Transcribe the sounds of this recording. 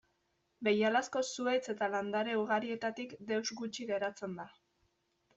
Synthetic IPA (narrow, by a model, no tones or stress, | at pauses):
be̞jalasko̞sue̞t͡se̞t̪aland̪aɾe̞uɣaɾie̞t̪at̪ikd̪e̞wzɡut͡ʃiɣe̞ɾat͡se̞nd̪a